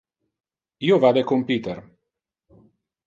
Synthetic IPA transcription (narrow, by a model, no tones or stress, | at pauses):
iovad̪ekompit̪er